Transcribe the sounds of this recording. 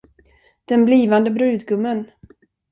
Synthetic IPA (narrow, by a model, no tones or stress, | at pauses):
d̪̥ɛnbliːvand̪əbɾʉ̟ːd̪ɡɵmːən